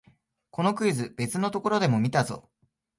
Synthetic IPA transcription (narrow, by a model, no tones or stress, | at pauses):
ko̞no̞kɯ̟izɨb̥e̞t͡sɨno̞t̪o̞ko̞ɾo̞d̪e̞mo̞mʲit̪azo̞̰ː